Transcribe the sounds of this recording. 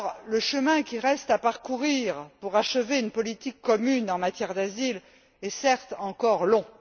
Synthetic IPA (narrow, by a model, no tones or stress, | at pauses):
ʁləʃəmɛ̃kʲiʁɛst̪apaʁkuʁiʁpuʁaʃəveynpɔlit̪ikːɔmynɑ̃mat̪jɛʁd̪azil | ɛsɛʁt̪ɑ̃kɔʁlɔ̃